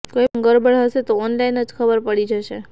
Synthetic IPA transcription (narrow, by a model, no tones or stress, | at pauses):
kəjəɡəɾbəɭɦəʃet̪oːnlainəd͡ʒkʰəbəɾpəɽid͡ʒəʃe